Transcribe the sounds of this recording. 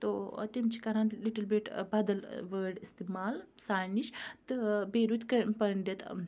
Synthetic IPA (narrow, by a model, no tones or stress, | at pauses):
t̪ot̪imt͡ʃʰikɐɾanliʈəlbiʈbɐd̪ɐlʋəɖist̪imaːlsaːniʃt̪ɨbeːɾut̪kɐpɐɳɖet̪